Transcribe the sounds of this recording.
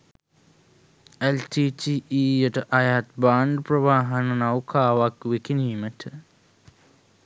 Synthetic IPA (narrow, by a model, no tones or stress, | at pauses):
elʈiːtiːʔiːjəʈəʔajat̪baːɳɖprɐʋaːɦanənawkʰaːʋakʋekiniːməʈʰə